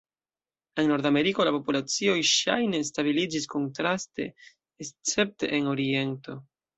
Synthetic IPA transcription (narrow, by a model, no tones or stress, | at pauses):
e̞nːo̞ɾdame̞ɾiko̞lapo̞pulat͡sio̞jʃa̰jne̞s̬tabilid͡ʒisko̞ntɾastḛː | st͡se̞p̚te̞̰ʔeno̞ɾie̞nto̞